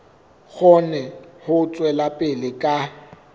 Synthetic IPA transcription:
ɣʰɔnɛhʊt͡sʼwɛlapʼɪlɪkʼa

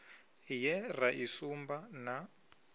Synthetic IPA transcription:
jɛraʔisumbana

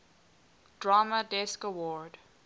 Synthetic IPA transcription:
d̥ɹamədɛskəwɔɹd

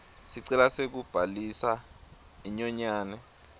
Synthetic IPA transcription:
siǀɛlasek̬ub̥ʱalisa | iɲɔɲaːnɛ

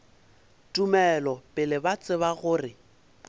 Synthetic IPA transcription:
tʼumɛlɔpʼɪlɪbat͡sʼɪβaɣʊːrɪ

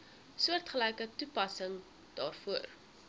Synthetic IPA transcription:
suərtχəlɛjkətupɐsəŋ | d̥ɑːrfuər

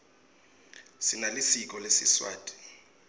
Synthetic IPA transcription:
sinalisik̬ʼɔlesḭswa̰ːtʼi̥

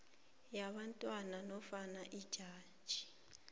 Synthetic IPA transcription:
jaβantʼwananɔfanaʔid̥ʒ̥ʱaːd̥ʒ̥ʱi

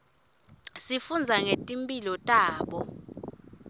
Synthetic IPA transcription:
sifund͡zʱaŋetʼimpʼilɔtʼaːɓɔ

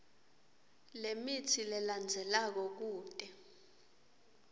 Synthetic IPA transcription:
lemitʰilɛland͡zʱɛlak̬ɔk̬uːtʼɛ

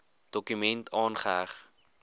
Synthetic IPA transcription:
d̥ɔkymɛntʰɑːnχəɦæχ

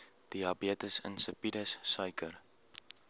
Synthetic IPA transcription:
d̥iɑbiətəsə̰nsəpidəsːœjkər

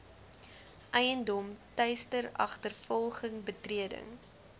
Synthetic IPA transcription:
ʔɛjəndɔmtœɥstəɾɐ̰χtərfɔlˠχəŋbətriədə̰ŋ

